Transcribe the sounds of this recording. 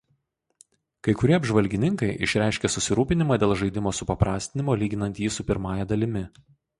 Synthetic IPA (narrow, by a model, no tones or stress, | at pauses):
kɐɪkʊɾʲiɛɐbʲʒʋɐlʲɡʲɪnʲɪŋkɐɪʔɪ̰ʃʲɾʲæˑɪʃʲkʲesʊsʲɪɾuːpʲɪnʲɪmɑːd̪ʲeːlˠʒɐɪd̪ʲɪmoːsʊpɐpɾɑːsʲt̪ʲɪnʲɪmoːlʲiːɡʲɪnɐnt̪jiːsʊpʲɪɾmɑːjɛd̪ɐlʲɪmʲɪ